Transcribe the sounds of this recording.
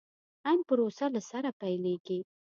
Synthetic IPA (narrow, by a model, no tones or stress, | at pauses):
ampəɾosalasaɾapajleɡi